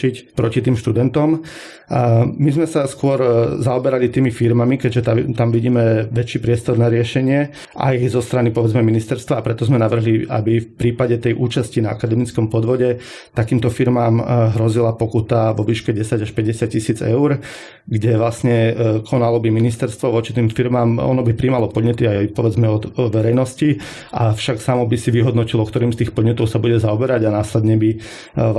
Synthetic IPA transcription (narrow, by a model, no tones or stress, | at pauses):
icpɾɔcit̪iːmʃt̪ud̪ɛnt̪ɔm | mizmɛsaskʊɔɾzaɔbɛɾalit̪iːmifiɾmamikɛɟʒɛt̪at̪amʋiɟiːmɛʋɛt͡ʃiːpɾɪɛst̪ɔɾnaɾɪɛʃɛɲɪɛ | ʔa̰jzɔst̪ɾanipɔʋɛd͡zmɛminist̪ɛɾst̪ʋaːpɾɛt̪ɔzmɛnaʋr̩ɦliʔa̰bifpɾiːpaɟɛt̪ɛjʔuːt͡ʃascinaa̰kad̪ɛmit͡skɔmpɔd̪ʋɔɟɛ | t̪akiːmt̪ɔfiɾmaːmɦɾɔzilapɔkut̪aʋɔʋiːʃkɛɟɛsaɟaʃpɛɟɛsɪat̪̚cisiːd͡zɛ̰ʊɾ | ɡɟɛʋlasɲɛkʰɔnalɔbiminist̪ɛɾst̪ʋɔʋɔt͡ʃi̥t̪iːmfiɾmaːmɔ̰nɔbipɾiːmalɔpɔd̪ɲɛt̪iajpɔʋɛd͡zmɛɔd̪ʋɛɾɛjnɔsci | ʔafʃaksamɔbisiʋiɦɔd̪nɔcilɔkt̪ɔɾiːmst̪iːxpɔd̪ɲɛt̪ɔʊsabuɟɛzaɔbɛɾaɟanaːslɛd̪ɲɛbi